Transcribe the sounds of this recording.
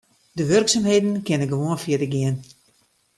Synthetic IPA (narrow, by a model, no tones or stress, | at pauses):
dəʋørksamɦejdən̩kɪnəɡəʋoənfjɪədəɡɪən